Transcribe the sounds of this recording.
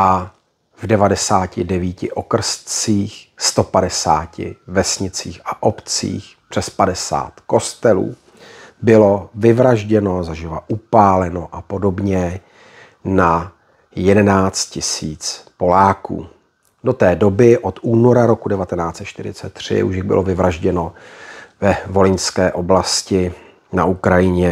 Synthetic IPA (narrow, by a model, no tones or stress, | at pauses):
ʔa | vdɛvadɛsaːcɪdɛviːcɪʔokr̩st̪t͡siːxst̪o̞padɛsa̰ːcɪ̰vɛsɲɪt͡siːxʔaʔopt͡sḭːxpr̝̥ɛspadɛsa̰ːt̪ko̞st̪ɛlṵː | bɪlo̞vɪvɾaʒɟɛno̞zaʒɪvaʔupaːlɛno̞ʔapo̞do̞bɲɛ | na | jɛdɛnaːt͡st̪̚cɪsiːt͡spo̞laːkṵː | do̞t̪ɛːdo̞bɪʔot̪uːno̞ɾaɾo̞kudɛvat̪ɛnaːt͡sɛt̪ʃt̪ɪɾɪ̰t͡sɛt̪ːr̝̥ɪ̰ṵʃɪɣbɪ̰lovɪvɾaʒɟɛno̞ | vɛvo̞lɪɲskɛːʔo̞blascɪ | naukɾajɪɲɛ